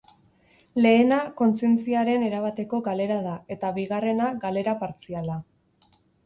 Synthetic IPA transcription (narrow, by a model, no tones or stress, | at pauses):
le̞ːnako̞nt͡sie̞nt͡siaɾe̞neɾaβat̪e̞ko̞ɣale̞ɾað̞ae̞t̪aβiɣare̞naɡale̞ɾapaɾt͡siala